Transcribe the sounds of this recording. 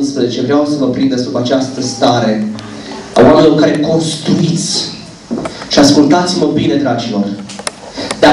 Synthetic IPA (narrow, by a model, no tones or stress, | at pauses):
nspɾəzet͡ʃe̞vɾeawsəvəpɾind̪esd̪ubat͡ʃast̪əst̪aɾe̞ | a̰wameloɾkaɾeko̞nst̪ɾuit̪sʲ | ʃiaskult̪at̪sʲməbine̞d̪ɾad͡ʒilo̞r | d̪a